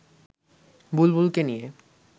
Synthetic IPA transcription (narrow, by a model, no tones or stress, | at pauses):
bulbulkenije